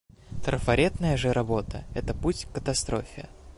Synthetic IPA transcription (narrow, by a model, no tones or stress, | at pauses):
t̪ɾəfɐɾʲet̪nəjəʐɨɾʔɐbo̞t̪əɛt̪əputʲkət̪ɐst̪ɾʔo̞̰fʲɪə̰